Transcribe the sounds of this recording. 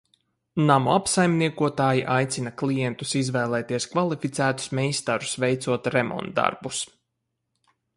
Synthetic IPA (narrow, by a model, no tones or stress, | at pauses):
namuapsajmniɛkuɔt̪aːjiʔajt̪sinɐklˠijɛnt̪usizvɛːlˠɛːt̪iɛskvalˠifit̪sæːt̪u̥smɛjst̪aɾusvɛjt̪suɔt̪ɾɛmɔ̰nt̪̚d̪ːa̰ɾbus